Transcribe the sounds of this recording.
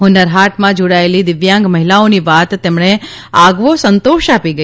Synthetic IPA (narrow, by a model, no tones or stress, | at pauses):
ɦʊnəɾɦaʈmãd͡ʒoɽaelid̪ɪʋjãŋɡməɦilaoniʋat̪ːemɳeaɡʋosənt̪oʃapiɡə